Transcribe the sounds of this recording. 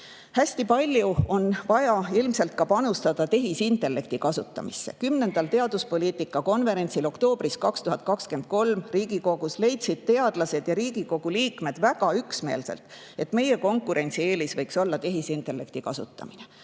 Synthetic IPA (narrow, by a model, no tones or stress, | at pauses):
hæsʲt̪ipɑlʲjuo̞nvɑjɑilmse̞lt̪̚kɑpɑnust̪ɑd̪̥ɑt̪e̞ɦisint̪ːˑe̞lːe̞kt̪ikɑsut̪ːˑɑ̰misːe̞̰kymne̞nd̪̥ɑlt̪e̞ɑd̪̥uspo̞lʲiːt̪ːˑikːˑɑko̞nve̞ɾe̞nʲt̪ʲsilo̞kt̪o̞ːb̥riskɑkst̪uɦɑt̪̚ˑkɑkske̞nd̪̥̚ko̞lmriːɡ̥iko̞ɡ̥usle̞jt̪sid̪̥̚t̪e̞ɑd̪̥lɑse̞d̪̥jɑɾiːɡ̥iko̞ɡ̥uliːkme̞d̪̥væɡɑyksme̞̰ːlse̞̰lt̪ˑe̞t̪ːˑme̞je̞ko̞ŋkːˑuɾe̞nʲt̪sie̞ːlisvɤjkso̞lːɑt̪e̞ɦisint̪e̞lːe̞k̚t̪ikɑsṵt̪ːˑɑ̰mine